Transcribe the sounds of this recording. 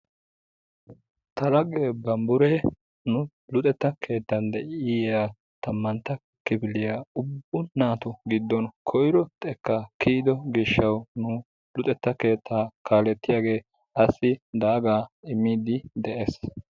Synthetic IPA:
t̪ɐɾɐɡeːbɐmbʊɾɛ | nʊ | lʊt̪ʼɛt̪ːɐkʰe̞ːt̪ːɐnd̪ɛʔɪja | t̪ɐmːɐnt̪ːɐ | kːɪbɪlɪjaʊbːʊnaːt̪ʊɡɪd̪ːɔnkʰɔjɪɾɔt̪ʼɛkːɐkiːd̪ɔɡɪʃːɐwnʊ | lʊt̪ʼɛt̪ːɐke̞ːt̪ʰːaːkaːlɛt̪ːɪjaːɡe̞ː | ɐsːɪd̪aːɡaːɪmːiːd̪ɪd̪ɛʔeːs

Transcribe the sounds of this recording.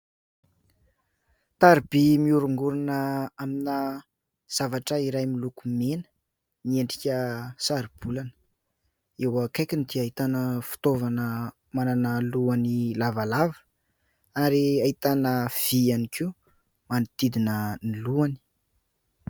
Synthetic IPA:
t̪aɾib̥imiuɾuŋɡuɾunəaminə | z̥avaʈ͡ʂəiɾajmilukumenə̥ | nieɳɖ͡ʐikʲəsaɾib̥ulanə̥ | ewəkajkʲinid̪iait̪anəfu̥t̪ovanə | mananəluanilavalavə̥ | aɾiait̪anəv̥ianikiu | manit̪id̪inəniluani̥

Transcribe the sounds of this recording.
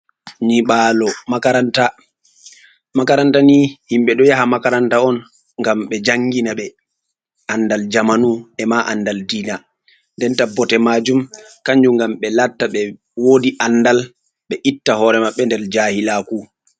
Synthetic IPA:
ɲiɓaːlɔmakaɾanta | makaɾantanihimɓɛɗɔjaɦamakaɾantaɔn | ŋɡamɓɛd͡ʒaŋːɡinaɓɛ | andald͡ʒamanuɛmaʔanːdaldiːna | ndɛntabɔtɛmad͡ʒumkaɲd͡ʒuŋɡamɓɛlatːaɓɛ | woːdiʔanːdal | ɓɛʔitːahɔɾɛmaɓːɛndɛɾd͡ʒaːhilaku

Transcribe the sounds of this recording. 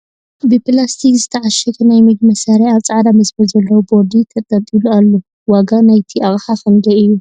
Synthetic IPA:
bɨplast̪ʰikzɨt̪ʰɐʕaʃɐkʰɐnajmiɡ̚mɐsaɾeaβt͡sʼaʕd̪amɐsbɐlzɐlːɐwubo̞ɾd̪it̪ʰɐt̪ʼːɐt̪ʼilualːo | waɡanajt̪ʰiʔaɣʼħafɐŋɡɐɨjːu

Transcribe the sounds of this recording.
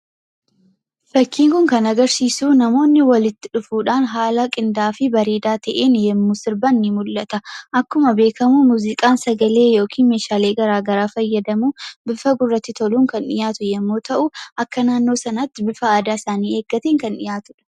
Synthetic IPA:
fɐkːiːŋkʊŋkɐnɐɡɐɾsiːsuːnɐmo̞ːnːɪwɐlɪt̪ːɪᶑʊfuːᶑaːnɦaːlɐkʼɪnd̪aːfɪbɐɾeːd̪aːt̪ɐʔeːnjɛmːusɪɾbɐnːɪmʊlːɐt̪ɐʔɐkːʊmɐbe̞ːkɐmumuːzɪkʼaːnsɐɡɐle̞ːjo̞ːkʰiːnme̞ːʃaːle̞ːɡɐɾaːɡɐɾaːfɐjːɐd̪ɐmuːbɪfɐɡʊrːɐt̪ːɪt̪ʰɔluːŋkɐnᶑɪ̰jaːt̪ʊjɛmːoːt̪ɐʔʊʔɐkːɐnaːnːo̞ːsɐnɐt̪ːɪbɪfɐaːd̪aːɪsaːniːe̞ːɡːɐt̪eŋkɐnᶑɪ̰jaːt̪ʊᶑɐ̥

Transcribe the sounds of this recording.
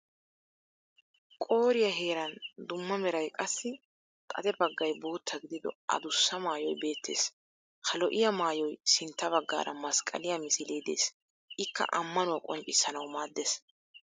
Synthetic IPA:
kʼo̞ːɾɪjɐɦe̞ːɾɐnd̪ʊmːɐmɛɾɐjkʼɐsːɪ | kʼɐ̰d̪ɛbɐɡːɐjbo̞ːt̪ʰːɐɡɪd̪ɪd̪ɔ̰ʔɐ̰d̪ʊsːɐmaːjɔjbe̞ːt̪ːe̞̰ːs | kɐlɔʔɪjɐmaːjɔjsɪnt̪ːɐβɐɡːa̰ːɾɐmɐskʼɐ̰lɪjɐmɪsɪleːd̪e̞̰ːs | ʔɪkːɐ̰ʔɐmːɐnʊwɐkʼɔnt͡ʃʼːɪsːɐnɐwmaːd̪ːeːs

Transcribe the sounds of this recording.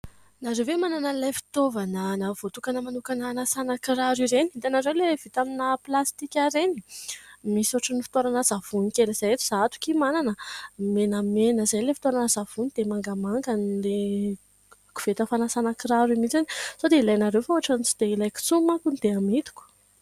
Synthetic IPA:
naɾewvemananəlajfi̥t̪ovanənavot̪ukanəmanukananasanakiɾaɾiɾeniit̪anaɾewlevit̪aminəplast̪ikʲaɾeni̥misoaʈ͡ʂənifi̥t̪oɾanəzav̥unikelez̥ajet̪u̥z̥aat̪u̥kʲimananəmenəmenəzajlefi̥t̪oɾanəzav̥unid̪̥emaŋɡamaŋɡanle | ku̥v̥et̪əfanasanakiɾaɾimit͡sanisod̪eilajnaɾewfauaʈ͡ʂanit͡sid̪̥eilajku̥t͡sumakunid̪eamit̪u̥kʲu̥

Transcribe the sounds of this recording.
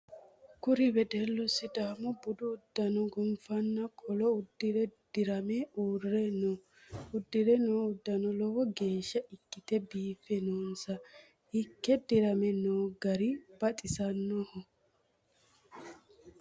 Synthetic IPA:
kʊɾɪbɛd̪ɛlːʊsɪd̪aːmɔbʊd̪ʊːd̪ːɐnɔɡʊmfɐnːɐkʼɔlɔʊd̪ːɪɾɛd̪̥ɪɾɐmɛuːrːɛnɔ | ʊd̪ːɪɾɛnoːʊd̪ːɐnɔlɔwɔɡe̞ːʃːɐʔɪkːɪt̪ɛbiːfɛnoːnsɐ | ɪkːɛd̪ɪɾɐmɛnoːɡɐɾɪb̥ɐt̪ʼɪsɐnːɔhɔ

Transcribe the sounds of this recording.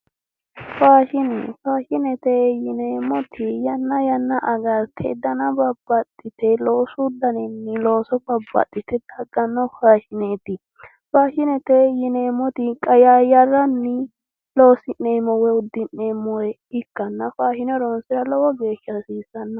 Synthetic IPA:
faːʃɪnɛ̰faːʃɪnɛt̪ɛjɪneːmɔt̪ʰɪjɐnːɐjɐnːɐʔɐɡɐɾt̪ʰɛ̰d̪ɐnɐbɐbːɐt̪ʼːɪt̪ɛloːsʊd̪ɐnɛnːɪlo̞ːsɔbɐbːɐ̰t̪ʼːɪt̪ɛd̪̥ɐɡːɐnːɔfaːʃɪneːt̪ɪ | faːʃɪnɛt̪ɛjɪneːmɔt̪ɪkʼɐjaːjɐrːɐnːɪ | lo̞ːsɪnːeːmɔwɛʊd̪ːɪnːemɔjɛ | ɪkːɐnːɐfaːʃɪnɔɾɔnsɪɾɐlɔwɔɡeːʃːɐsiːsɐnːɐ

